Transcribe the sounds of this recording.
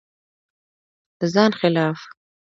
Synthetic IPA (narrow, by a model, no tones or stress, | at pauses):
d̪̥əzɑːnxɪlɑːf